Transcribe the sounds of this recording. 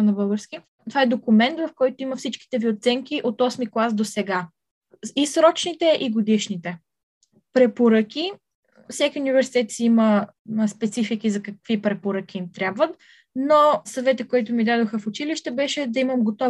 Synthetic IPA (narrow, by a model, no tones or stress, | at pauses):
nɐbɤlˠɡəɾski | t̪ovaɛd̪okʊmɛnt̪vɐfkɔjt̪ʊiməfsit͡ʃki̥t̪ɛviot̪sɛŋkiʔot̪ɔsmiklˠasd̪osɛɡa | isɾɔt͡ʃnit̪ɛʔiɡod̪iʃnit̪ɛ | pɾɛpoɾəkʲi | fsʲakʲiʊnivɛɾsi̥t̪ɛt̪siimə | spɛt̪sifikizɐkɐkv̥ipɾɛpoɾək̟ʲiimt̪ɾʲabvət̪ | nosɐvɛt̪əkoɔjt̪ʊmid̪ad̪oxəfʊt͡ʃiliʃt̪ɛbɛʃɛd̪ɐiməmɡot̪ɔ